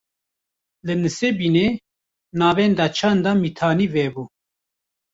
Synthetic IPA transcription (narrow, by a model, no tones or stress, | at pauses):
lɨnɨsebiːneː | nɑːvɛːnd̪ɑt͡ʃʰand̪amit̪ʰaːniːvɛbuː